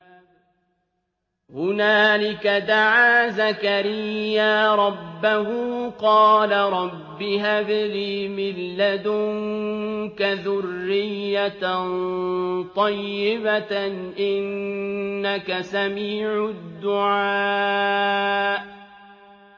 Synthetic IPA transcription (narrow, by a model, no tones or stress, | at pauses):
hʊnaːlɪkad̪aʕaːzakaɾɪjːaːɾˤɑbːahʊːqɑːlaɾˤɑbːɪhabɪliːmɪlːad̪ʊŋŋkaðʊrːɪjːa | t̪ˤɑjːɪbaʔɪnː | akasamiːʕʊd̪ːʊʕaː | ʔ